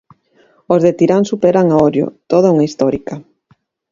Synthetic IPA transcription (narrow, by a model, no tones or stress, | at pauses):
ozðet̪iɾansupeɾaŋaɔɾjo̰t̪oðauŋaist̪ɔɾikɐ